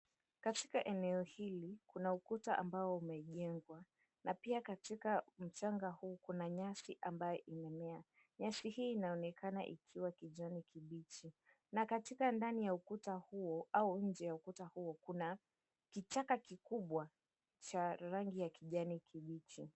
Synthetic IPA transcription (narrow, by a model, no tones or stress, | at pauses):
katikaʔɛnɛɔhilikunaukutaʔa̰mbaɔumɛʄɛŋɡwa | napiakatikam̩t͡ʃaŋɡahuːkunaɲasiʔambajɔʔimɛmɛa | ɲasihiːnaɔnɛkana̰ʔḭkʰiwakiʄanikʰiɓit͡ʃi | nakatikandanijaukutahuɔauɲ̩d͡ʒɛjaukutahuɔkuna | kit͡ʃakakikuɓwa | t͡ʃaɾaŋɡijakiʄanikʰiɓit͡ʃi